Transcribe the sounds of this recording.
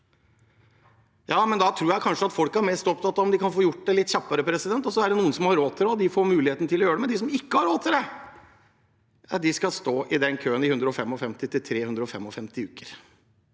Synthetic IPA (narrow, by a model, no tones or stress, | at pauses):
jɑːmɛnd̪ɑt̪ʰɾuːjæɪkʰɑnʂəɑt̪fɔlkæɾmɛst̪ɔpt̪ʰɑt̪ːɑʋɔmd̪ɪkʰɑnfoːjʊʈ̚ːd̪ɛlɪt̪ːçɑpːəɾəpʰɾɛsɪd̪ɛnt̪ɔsɔæɖɛnuːənsɔmhɑɾoːt̪ʰɪlɔd̪ɪfoːɾmʉːlɪheːt̪nət̪ʰɪlɔjøːɖ̪ɛmɛd̪ɪsɔmɪkːəhɑɾoːt̪ʰːɪld̪ɛ | ɑd̪ɪskɑst̪oːʔɪd̪ɛnkʰøːənɪhʉnd̪ɾəɔfɛmːɔfɛmt̪ɪt̪ɪlt̪ʰɾeːhʉnd̪ɾəɔfɛmːɔfɛmt̪ɪʉːkəɾ